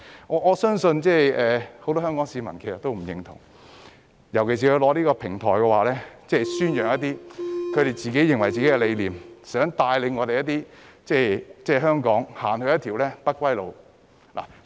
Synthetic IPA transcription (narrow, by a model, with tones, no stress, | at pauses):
ŋɔː˨˧ʔɔː˨˧sœː˥ŋsɵ˧nt͡sɛː˥˩jʔɛː˨ho˧˥wt̪ɔː˥ɦœː˥ŋkɔː˨˥ŋsiː˨˧mɐ˨˩nkʰe˨˩sɐ˨t̪̚o˥wm̩˨˩jɪ˨˩ŋt̪ʰʊ̰˨˩ŋ | jɐ˨˩wkʰe˨˩s̬iː˨kʰlɔː˨˧liː˥kɔː˧pʰɪ˨˩ŋt̪ʰɔː˨˩jkɛ˧waː˨˩lɛː˥t͡sɛː˥˩syː˥njœː˨˩ŋjɐ˥t̪iː˥kʰɵ˨˧ɾe˨jt͡siː˨ke˨˥jɪ˨ŋwɐ˨˩jt͡siː˨ke˨˦˥kɛ˧le˨˧jliː˨msœː˨˥ŋt̪aː˧jle˨˧ŋɔː˨˧ɾe˨jɐ˥t̪iː˥t͡sɛː˥˩t͡sɛː˥˩ɦœː˥ŋkɔː˨˥ŋhaː˨˩nhɵ˧ɥjɐ˥t̪ʰiː˨˩wlɛː˥pɐ˥t̚kʷwɐ˥jlo˨˧w | la̰˨˩